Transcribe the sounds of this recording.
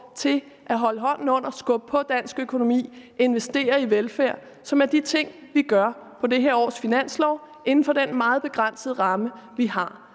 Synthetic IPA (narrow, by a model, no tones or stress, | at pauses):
t͡sʰe̝l | ʔæɦɒ̽ləɦɒ̽n̰n̩ɔ̽n̰ɐsɡ̥ɔ̽b̥̚pʰɒ̽d̥æn̰sɡ̥økʰo̝no̝mḭːe̝nʋesd̥e̝̰ːɐiʋelfæɐ̰ | sɒ̽mæɐd̥it͡sʰe̝ŋ̰ʋiɡ̥ɶɐpʰɒ̽d̥e̝ɦæɐɒ̰ːsfinæn̰slɒʊ | ʔe̝nn̩fɒ̽d̥enmɑ̈ːð̩ˠb̥e̝ɡ̥ʁan̰səð̞̩ˠʁɑ̈məʋihɑ̈